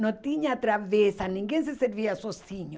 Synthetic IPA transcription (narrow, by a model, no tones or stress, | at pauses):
nõt̪iɲat̪ɾavesanĩŋɡens̬eseɾviasosiɲo